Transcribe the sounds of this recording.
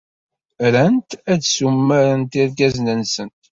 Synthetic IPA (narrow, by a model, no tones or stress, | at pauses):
ɾænt̪ædsumːæɾənt̪iɾɡæznənsənt̪